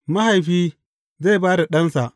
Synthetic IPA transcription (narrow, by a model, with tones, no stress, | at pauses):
ma˦ɦa˨jɸiː˦ | za˦˨baː˦da˨ɗɐ˦nsa˨ʔ